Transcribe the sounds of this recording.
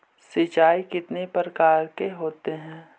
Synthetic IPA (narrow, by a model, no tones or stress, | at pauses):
sɪt͡ʃaːikɪt̪nepɾəkaːɾkeɦoːt̪eɦɛ̃ː